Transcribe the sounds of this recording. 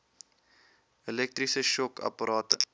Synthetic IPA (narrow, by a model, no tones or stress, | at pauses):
elɛk̚trisəʃɔkʰɐ̰pəɾʔɑːtə